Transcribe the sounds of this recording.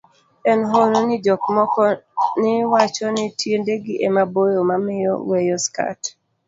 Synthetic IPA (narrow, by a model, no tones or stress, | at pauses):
ɛnɦononɪd͡ʒɔkmɔkɔnɪwat͡ʃɔnɪtjendeɡɪʔemabojomamɪjɔ̰wejɔska̰t